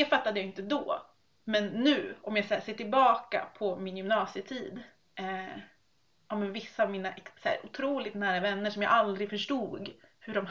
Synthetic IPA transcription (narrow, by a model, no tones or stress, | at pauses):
d̪ɛfat̪ːad̪əjaɪnt̪əd̪ɔ | mɛnːʉ̟ːɔmjɑːɡsæʂeːʈɪlbɑːka̰pʰɔmɪnjɵmnɑːsɪət̪ʰiːd̪ | ɛ | ʔɑːmɛnvɪsːaːvmiːnaʔɛksæ̰ːɾʔʊt̪ʰɾuːlɪt̪næːɾavɛnːəʂɔmja̰ːʔald̪ɾɪfœʂʈuːɡhɵɖɔm